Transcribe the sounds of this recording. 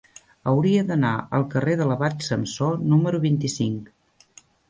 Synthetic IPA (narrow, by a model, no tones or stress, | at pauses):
əwɾiəðəna̰ʔə̰lˠkəreðələβat̪səmsonuməɾuβint̪isiŋk